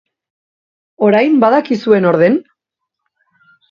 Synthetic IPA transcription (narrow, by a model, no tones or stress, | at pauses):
o̞ɾajmbaðakisue̞no̞ɾðe̞n